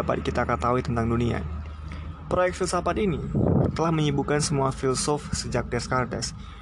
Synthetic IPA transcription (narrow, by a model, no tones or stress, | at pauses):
apa̰t̪̚kit̪akat̪awit̪ənt̪aŋdunia̰ | pɾojɛk̪̚filsapat̪init̪əlahməɲibukansəmuafilsɔfsəd͡ʒak̚dɛskardɛ̰s